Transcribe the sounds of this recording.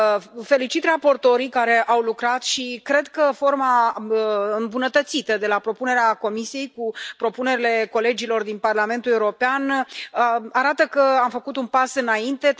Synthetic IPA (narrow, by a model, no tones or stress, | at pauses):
fe̞lit͡ʃit̪rapo̞rt̪o̞ɾikaɾe̞ʔawlukɾat̪ʃikɾe̞d̪kəfo̞rma | ɨmbunət̪ət̪sit̪əd̪e̞lapɾo̞pune̞ɾeako̞misije̞jkupɾo̞pune̞ɾile̞ko̞le̞d͡ʒilo̞rd̪inparlame̞nt̪ule̞uɾo̞peanəaɾat̪əkəamfəkut̪unpasɨnaint̪e̞